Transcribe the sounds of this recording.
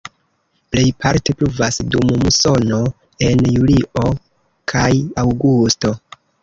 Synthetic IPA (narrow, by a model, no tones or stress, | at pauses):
ple̞jpʰaɾte̞pluvasdummuso̞no̞ | e̞njulio̞ | kʰajawɡusto̞